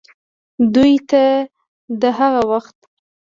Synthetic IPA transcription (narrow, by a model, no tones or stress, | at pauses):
d̪ujt̪a | d̪əɦaɣawaxt̪